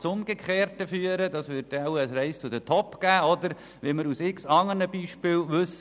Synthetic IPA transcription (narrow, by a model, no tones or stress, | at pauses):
t͡sʊmɡ̥ekχeːɾtəfyːəɾədɑːsʋʏɾt̚dɛwəsɾɛɪst͡sʊdətʰɔpɡ̥æːɔd̪əɾ | ʋiməɾusɪksɑŋːənəbiːʃpɪːlʋɵs